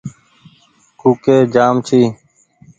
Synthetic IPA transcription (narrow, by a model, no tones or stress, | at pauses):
kuːkeːd͡ʒaːmt͡ʃʰiː